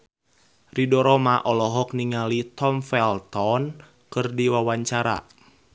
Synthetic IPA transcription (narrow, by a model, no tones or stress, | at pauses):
ridɔɾɔmaʔɔlɔɦɔk̚niŋalit̪ɔmfɛlt̪ɔn | kɨrdiwawaɲt͡ʃaɾa̰